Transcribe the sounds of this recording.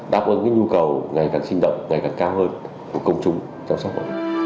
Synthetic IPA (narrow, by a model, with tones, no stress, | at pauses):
ɗaː˨˩p̚ʔɨ˨˧˩ka̰ː˧˨˥ɲu˧kə˨˩wŋa˨˩jkaː˨˩ŋsï˧ŋ̟ɗə̰˧˨wŋ͡mŋa˨˩jkaː˨˩ŋkaː˧whəː˧n | ku˧˩əkə˧wŋ͡mt͡ɕʊ˧ŋ͡m | t͡ɕɔ˧msa˦˥m̰˧˨˩